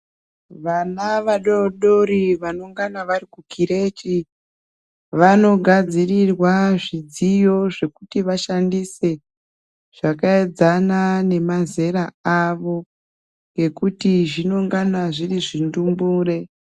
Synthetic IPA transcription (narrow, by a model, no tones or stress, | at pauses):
ʋanaʋaɗoɗo̞ɾiʋanoŋɡanaʋarikukiɾe̞t͡ʃi | ʋano̞ɡʱad͡zirirwaʐid͡zijo̞ʐe̞kutiʋaʃandise̞ | ʐ̥akaed͡zanane̞maze̞ɾaaʋo̞ | ŋɡe̞kutiʐino̞ŋɡanaʐiriʐindumbuːre̞